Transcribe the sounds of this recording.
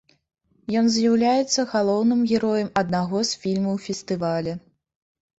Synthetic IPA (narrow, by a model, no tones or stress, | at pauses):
jɔnzʲjawlʲajɛt̪sːɐɣalˠɔwnɨmɣʲɛɾɔjɐmɐd̪̚naɣɔsfʲilʲmɐwfʲɛst̪ɨvalʲɛ